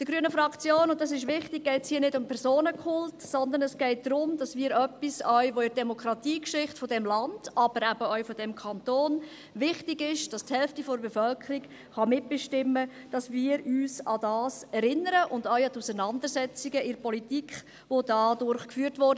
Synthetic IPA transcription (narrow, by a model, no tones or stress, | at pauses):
d̥əɡɾyənəfɾɑkt͡sjoːnʊnt̚dɑs̬ɪʃʋɪχtɪɡ̚ɡɛɪtshiːənɪdʊmpʰɛɾsoːnəkʰʊltsɔnd̪ənɛsɡ̥ɛɪt̚d̥̪ɾʊmd̥ɑsmiːɾœpːisœʏʋoɪdɛmokʰɾɑtiːkʃɪχtfɔdɛmlɑnd̥ɑb̥əɾæb̥əœʏfɔd̥ɛmkʰɑntoːn | ʋɪχtɪɡɪʃd̥ɑsthɛlftifɔɾbɛfœlkʰəɾiɡ | χɑmɪt̚b̥ɪʃtɪmːə | d̥ɑsmiːɾyːsɑdɑːsɛɾɪnəɾəʔʊndœʏɑtusənɑndəɾsɛt͡siɡəʔɪɾpʰɔlitikχ | ʋodɑdʊɾχkfyːɾtʋɔɾdə